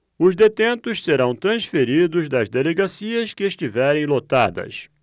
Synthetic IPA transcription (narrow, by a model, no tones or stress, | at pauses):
ʊzd̪et̪ẽnt̪ʊsseɾɐ̃w̃t̪ɾɐ̃sfeɾid̪ʊzd̪ɐzd̪eleɡasiɐskɪeʃt͡ʃivɛɾẽj̃lot̪ad̪ɐ̰s